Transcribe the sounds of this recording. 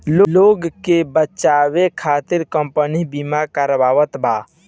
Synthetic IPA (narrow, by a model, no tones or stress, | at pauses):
loloːɡkebət͡ʃaːwekʰaːt̪ɪɾkəmpənibimakəɾʋaːwət̪baː